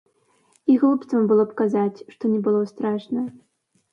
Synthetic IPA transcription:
iɣlˠupt̪sɐmbɨlˠɔpkazat͡sʲʂt̪ɔnʲɛbɨlˠɔst̪ɾaʂnɐ

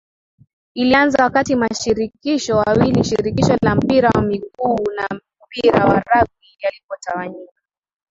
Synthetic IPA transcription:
ilianzawakatimaʃiɾikiʃɔwawiliʃiɾikiʃɔlam̩piɾawamiɠunam̩piɾawaɾavijalipɔtawaɲikḁ

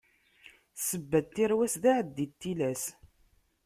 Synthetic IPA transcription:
səbːæd̪̚t̪ːiɾwæsðaʕəd̪ːit̪ːilæs

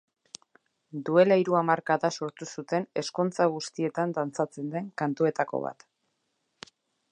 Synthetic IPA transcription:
d̪ue̞laiɾuamaɾkaðaso̞ɾt̪usut̪e̞ne̞skont͡saɣ̞ust̪ie̞t̪and̪ant͡sat͡se̞nd̪e̞ŋkant̪ue̞t̪ako̞̰βa̰t̪

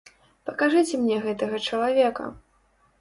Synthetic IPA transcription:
pɐkaʐɨt͡sʲɛmnʲɛɣɛt̪ɐɣɐt͡ʂɐlˠavʲɛkɐ̰

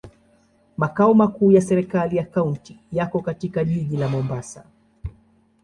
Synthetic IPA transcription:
makaɔmakuːjasɛɾɛkalijakaunti | jakɔkatikaʄiʄilamɔmbasa

